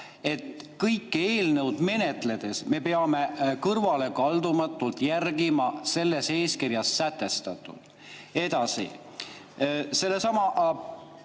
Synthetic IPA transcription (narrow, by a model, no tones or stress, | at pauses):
e̞t̪kɤjkːe̞ːlnəwd̪̥me̞ne̞t̪le̞d̪̥e̞sme̞pe̞ɑme̞kɤrvɑle̞kɑld̪umɑt̪ːˑult̪jærɡimɑse̞lːe̞se̞ːskirjɑsːæt̪ːˑe̞st̪ɑt̪ːˑṵd̪̥ | e̞d̪̥ɑsḭ | se̞lːe̞sɑmɑʔ